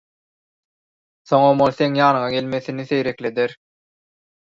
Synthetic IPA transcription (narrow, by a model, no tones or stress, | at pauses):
θo̞ŋomolˠθe̞ŋjɑːnɯɴɑɡe̞lme̞θiniθe̞jɾe̞kle̞d̪eɾ